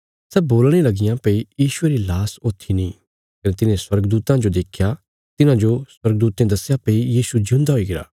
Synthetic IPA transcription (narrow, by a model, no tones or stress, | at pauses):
sɛboːlɽ̃elɐɡɪjãpeijiːʃʊeɾilaːsoːt̪ʰinĩ | kɐnet̪ɪnẽswɐɾɡd̪uːt̪ãd͡ʒod̪eːkʰja | t̪ɪnãd͡ʒoswɐɾɡ̚d̪uːt̪ẽd̪ɐsjapeːijiːsud͡ʒɪũnd̪aɦoiɡɪɾa̰ː